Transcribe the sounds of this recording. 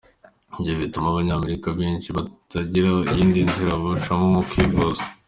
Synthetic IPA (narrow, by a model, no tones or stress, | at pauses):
imɟioβitumaβaɲaːme̞ɾikabiːnʃiβatʰaɟiɾaḭjiːndinziɾaβut͡ʃamomukivozo̥